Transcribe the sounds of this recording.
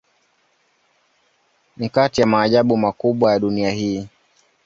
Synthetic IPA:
nikatijamaːʄaɓumakuɓwajaɗuniahiː

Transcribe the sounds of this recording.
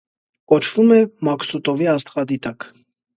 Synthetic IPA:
kɔt͡ʃʰv̥umɛmɑksut̪ɔviɑst̪χɑd̪it̪ɑk

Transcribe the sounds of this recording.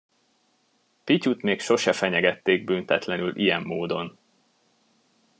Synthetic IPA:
picut̪meːkʃo̞ʃɛfɛɲɛɡɛt̪ːeːɡ̚bynt̪ɛt̪lɛnylʔijɛmːoːd̪o̞n

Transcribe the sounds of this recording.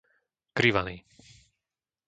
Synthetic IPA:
kɾiʋaniː

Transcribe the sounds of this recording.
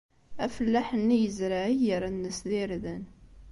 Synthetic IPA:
æfəlːæħənːijəzɾaʕijəɾanːəsðiɾðən

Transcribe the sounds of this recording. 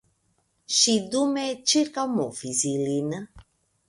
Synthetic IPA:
ʃid̪umet͡ʃirkamofizilinə

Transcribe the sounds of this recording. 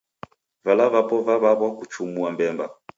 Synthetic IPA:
valavapɔvaβaβwakut͡ʃumuambɛmba

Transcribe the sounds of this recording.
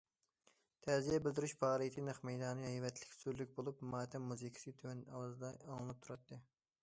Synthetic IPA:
t̪ʰɛzijɛbɪld̪ɪɾyʃpʰɑːɾɨjt̪ʰɨnɨχmɛjd̪ɑːnɨhɛjvɛt̪ʰlɪ̥kʲsyɾlyk̚ʲbolˠupmɑːt̪ʰɛmːuzɨkʲʰi̥sɨt̪ʰøwɛnɑ̰wɑzɨd̪ɑɑŋlˠɨp̚t̪ʰuɾɑt̪ʰːɨ

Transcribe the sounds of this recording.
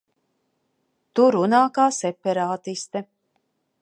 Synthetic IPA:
t̪uɾunaːkaːsɛpɛɾaːt̪ist̪ɛ

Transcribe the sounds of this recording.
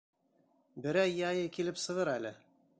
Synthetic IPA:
bɘ̆ɾæjːɑjɤkilɘpsɤ̆ʁɤɾælɘ

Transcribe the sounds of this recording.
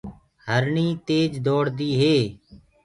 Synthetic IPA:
həɾɳiːt̪eːd͡ʒd̪oːɽd̪iːɦeː

